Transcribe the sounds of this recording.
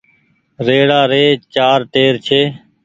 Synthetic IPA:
ɾeːɽaːɾeːt͡ʃaːɾʈeːɾt͡ʃʰeː

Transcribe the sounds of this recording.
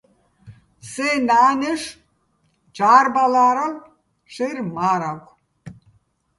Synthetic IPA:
senaːneʂ | d͡ʒaːrbalaːɾawʷ | ʂeɾmaːɾakʷʰ

